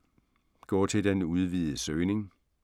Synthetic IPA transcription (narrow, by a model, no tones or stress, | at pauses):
ɡ̥ɒ̰ːt͡sʰe̝ld̥enuð̞ˠʋiːð̩ˠəsøːne̝ŋ